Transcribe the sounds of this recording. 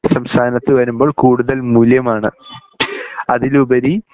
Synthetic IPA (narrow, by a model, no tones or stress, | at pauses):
sɐmst̪ʰaːnɐt̪ːɨʋɐɾumbo̞ːɭkuːɽuðɐlmuljɐmaːɳɨ | ɐðilubɐɾi